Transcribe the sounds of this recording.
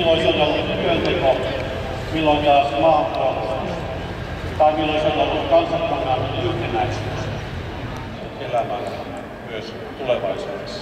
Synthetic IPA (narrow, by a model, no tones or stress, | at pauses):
lːoisilt̪elːut̪t̪yønt̪eko | milːoikiæɑsmɑːt̪ːɑn | t̪ɑimilːoisoelːukɑnsɑkːɑnːɑːmilːyht̪enæise | elæmælsen | myøs | t̪uleʋɑisuːdes